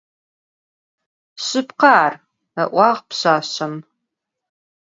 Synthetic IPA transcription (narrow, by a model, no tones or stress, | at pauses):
ɕɨpqɑːr | ɐʔʷɑːʁpɕaːɕɐm